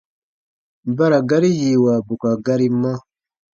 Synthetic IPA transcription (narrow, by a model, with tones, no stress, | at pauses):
ba˦ɾa˨ɡa˦ɾi˦hi˨wa˨bu˨ka˨ɡa˦ɾi˦ma˦